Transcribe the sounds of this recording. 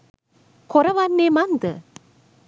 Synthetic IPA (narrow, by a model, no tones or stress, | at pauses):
kɔɾɐʋaːnːeːmand̪ɨ